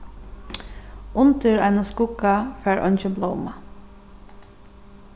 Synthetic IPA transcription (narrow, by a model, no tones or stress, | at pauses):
ʔʊnt̪əɹæɪnʊskʊkɑfæːɹʔɔ̰nçəbloːmɑ